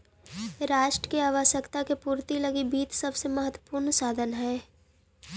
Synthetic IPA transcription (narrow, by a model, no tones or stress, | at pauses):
ɾaːʃʈɾə̥keaːʋəʃəkt̪akepuːɾt̪ilɐɡibiːt̪sɐbsemɐɦət̪wə̥puːɾnsaːd̪ʱənɦɛː